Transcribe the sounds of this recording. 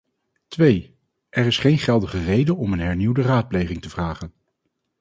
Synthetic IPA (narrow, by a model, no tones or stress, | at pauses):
tʋej | ʔɛrɪsχejnχɛlˠdəχərejdənɔmənɦɛɹniwdəraːt̚plejχɪŋtəvraːχən